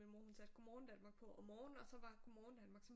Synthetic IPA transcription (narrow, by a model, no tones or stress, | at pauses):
emohunsæd̥̚ɡ̥omɒːn̩d̥ænmɑ̈ːɡ̥̚pʰɒ̽ɒmːɒːnn̩ɒ̽sɒ̽ʋɑ̈ɡ̥omɒːn̩d̥ænmɑ̈ːɡ̥sɒ̽m